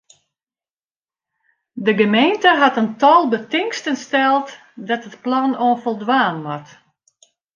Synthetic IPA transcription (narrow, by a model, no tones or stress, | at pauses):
dəɡəmeːntəɦatəntɔlˠbətɪŋstənstɛlˠt | dɔtətplɔnoənfɔlˠdʋaːnʋɔt